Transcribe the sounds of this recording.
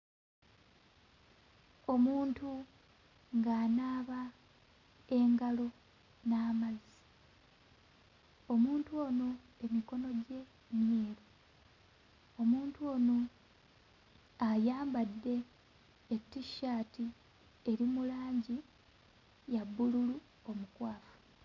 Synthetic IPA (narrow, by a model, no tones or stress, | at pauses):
o̞muːntu | ŋɡaːnaːβa | e̞ŋɡalo | naːmazi | o̞muːntuo̞ːno | e̞miko̞no̞ɟe̞ | mje̞ːɾo | o̞muːntuo̞ːno̞ | ajaːmbadːe̞ː | tːiʃaːti | eɾimulaːɲɟi | jabːululu | o̞mukwaːfu̥